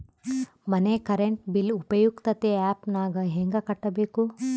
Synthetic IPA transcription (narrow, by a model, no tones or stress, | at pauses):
mɐnekɐɾeɳʈbilupɐjukt̪ɐt̪eaːpnaːɡɐɦeŋɡɐkɐʈːɐbeːku